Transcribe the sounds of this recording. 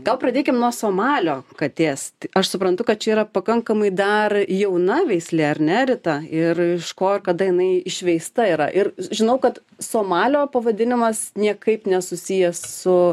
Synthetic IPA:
ɡɐlˠpɾɐd̪ʲeːkʲɪmnuɔsoːmɑːlʲoːkɐt̪ʲeːst̪ɪɐʃsʊpɾɐnt̪ʊkɐt̪̚t͡ʃʲɛiːɾɐpɐkɐŋkɐmɐɪd̪ɐrjɛʊnɐʋʲɛɪsʲlʲɛɐɾnʲɛɾʲɪt̪ɐɪrɪʃkoːɪrkɐd̪ɐjɪnɐɪɪʃʲʋʲɛɪst̪ɐiːɾɐ̰ʔɪrʒʲɪnɐʊkɐt̪ | soːmɑːlʲoːpɐʋɐd̪ʲɪnʲɪmɐsnʲiɛkɐɪpnʲɛsʊsʲijɛssʊ

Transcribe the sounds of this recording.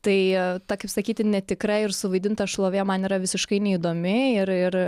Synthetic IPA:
t̪ɐɪt̪ɐkɐɪpsɐkʲiːt̪ʲɪnʲɛt̪ʲɪkɾɐɪrsʊʋɐɪd̪ʲɪnt̪ɐʃlˠoːʋʲeːmɐniːɾɐʋʲɪsʲɪʃkɐɪnʲɛid̪oːmʲɪɪɾɪr

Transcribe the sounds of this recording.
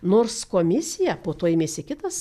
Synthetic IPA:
noːrskoːmʲɪsʲɪjɛpoːt̪oːɪmʲeːsʲɪkʲɪt̪ɐs

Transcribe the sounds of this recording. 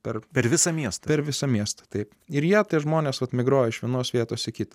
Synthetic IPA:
pʲɛɾpʲɛɾʋʲɪsɐmʲiɛst̪ɐpʲɛɾʋʲɪsɐmʲiɛst̪ɐ̥t̪ɐɪp | ɪɾjiːt̪ʲiɛʒmoːnʲeːsʋɐt̪mʲɪɡɾoːjɛɪʃʋʲiɛnoːsʋʲiɛt̪oːsɪkʲɪt̪ɐ

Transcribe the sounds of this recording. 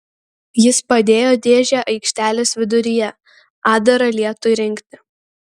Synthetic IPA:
jɪspɐd̪ʲeːjoːd̪ʲeːʒʲæːʔɐɪkʃʲt̪ʲæːlʲeːsʋʲɪd̪ʊɾʲɪjɛ | ɑːd̪ɐɾɐlʲiɛt̪ojɾʲɪŋʲkt̪ʲɪ

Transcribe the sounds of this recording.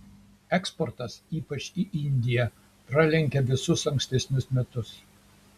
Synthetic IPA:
ɛkspɔɾt̪ɐsiːpɐt͡ʃiʔɪnʲd̪ʲɪjɛ | pɾɐlʲɛŋʲkʲɛʋʲɪsʊsɐŋksʲt̪ʲɛsʲnʲʊsmʲɛt̪ʊs

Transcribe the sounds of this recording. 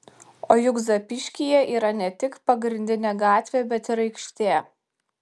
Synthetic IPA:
oːjʊɡzɐpʲɪʃʲkʲijɛʔiːɾɐnʲɛt̪ʲɪkpɐɡɾʲɪnʲd̪ʲɪnʲeːɡɑːt̪ʲʋʲeːbʲɛt̪ɪɾɐɪkʃʲt̪ʲeː

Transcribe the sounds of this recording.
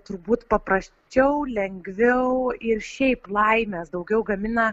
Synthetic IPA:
t̪ʊɾbuːt̪pɐpɾɐsʲt͡ʃʲɛʊlʲɛŋʲɡʋʲɛʊɪrʃʲɛɪplˠɐɪmʲesd̪ɐʊɡʲɛʊɡɐmʲɪnɐ

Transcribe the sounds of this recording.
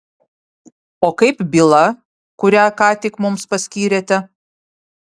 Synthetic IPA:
oːkɐɪpbʲilˠɐ | kʊɾʲæːkɑːt̪ʲɪkmʊmspɐsʲkʲiːɾʲeːt̪ʲɛ

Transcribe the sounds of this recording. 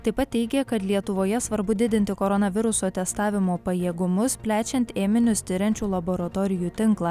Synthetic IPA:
t̪ɐɪpɐt̪tʲːɛɪɡʲekɐt̪lʲiɛt̪ʊʋoːjɛsʋɐɾbʊd̪ʲɪd̪ʲɪnʲt̪ʲɪkoːɾɔnɐʋʲɪɾʊsoːt̪ʲɛst̪ɑːʋʲɪmoːpɐjeːɡʊmʊspʲlʲæːt͡ʃʲɛnʲt̪ʲeːmʲɪnʲʊst̪ʲɪɾʲɛnʲt͡ʃʲuːlˠɐboɾɐt̪oːɾʲɪjuːt̪ʲɪŋklˠɑː

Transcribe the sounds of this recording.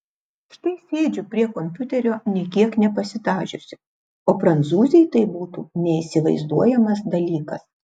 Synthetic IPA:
ʃt̪ɐɪsʲeːd͡ʒʲʊpʲɾʲiɛkɔmʲpʲʊt̪ʲɛɾʲoːnʲiɛkʲiɛknʲɛpɐsʲɪt̪ɑːʒʲʊsʲɪ | oːpɾɐnt̪suːzʲɛjt̪ɐɪbuːt̪uːnʲɛiːsʲɪʋɐɪzd̪uɔjɛmɐsd̪ɐlʲiːkɐs

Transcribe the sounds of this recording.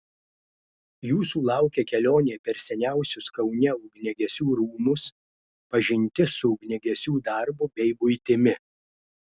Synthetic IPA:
juːsuːlˠɑˑʊkʲeːkʲɛlʲoːnʲeːpʲɛɾsʲɛnʲæˑʊsʲʊskɐʊnʲɛʊɡnʲɛɡʲɛsʲuːɾuːmʊs | pɐʒʲɪnʲt̪ʲɪsʊʊɡnʲɛɡʲɛsʲuːd̪ɐɾbʊbʲɛɪbʊɪt̪ʲɪmʲɪ

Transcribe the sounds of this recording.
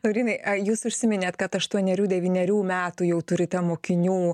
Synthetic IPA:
loʊɾʲiːnɐɪɐjuːsʊʃʲsʲɪmʲɪnʲeːt̪kɐt̪ɐʃt̪uɔnʲɛɾʲuːd̪ʲɛʋʲiːnʲɛɾʲuːmʲæːt̪uːjɛʊt̪ʊɾʲɪt̪ɐmoːkʲɪnʲuː

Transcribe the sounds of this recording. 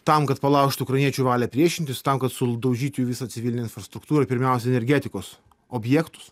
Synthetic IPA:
t̪ɐmkɐt̪pɐlˠɑˑʊʃt̪ʊːkɾɐɪnʲiɛt͡ʃʲuːʋɑːlʲɛpʲɾʲiɛʃʲɪnʲt̪ʲɪst̪ɐmkɐt̪sʊd̪ɐʊʒʲiːt̪ʲʊjuːʋʲɪsɑt̪sʲɪʋʲilʲnʲeɪnfɾɐst̪ɾʊkt̪uːɾɐpʲɪɾʲmʲæˑʊsʲɛɛnʲɛɾʲɡʲæːt̪ʲɪkoːs | oːbʲjɛːkt̪ʊ̥s

